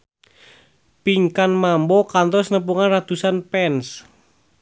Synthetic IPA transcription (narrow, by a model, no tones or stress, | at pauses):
piŋkanmambɔkant̪ɔsnəp̬uŋanrat̪usanpɛns